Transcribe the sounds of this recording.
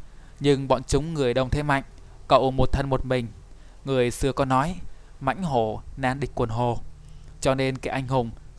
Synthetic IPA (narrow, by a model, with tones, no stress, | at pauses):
ɲɨ˧ŋɓɔ̰˧˨nt͡ɕʊ˨˦ŋ͡mŋɨ˨˩əjɗə˨˧˩wŋ͡mt̪ʰe˧˦ma̰˧˨jŋ̟ | kə̰˧˨wmo˨˩t̚t̪ʰə˧nmo˨˩t̚mï˨˩ŋ̟ | ŋɨ˨˩əjsɨ˧əkɔ˨˦nɔ˨˦j | ma̰˧˥jŋ̟ɦo˧˩naː˧nɗï˨˩k̟̚kwənɦo˨˩t͡ɕɔ˧ne˧nkaː˧˩ʔa˧jŋ̟ɦʊ˨˩ŋ͡m